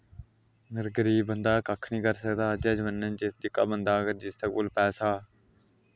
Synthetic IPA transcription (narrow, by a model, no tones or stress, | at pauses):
nəɾɡəɾiːbənd̪aːkəkʰnĩːkəɾsəkd̪aːd͡ʒɛːd͡ʒəʋənːənt͡ʃɪsd͡ʒɪkːa̰ːbənd̪aːkəɾd͡ʒɪst̪əkoːlpɛːsaː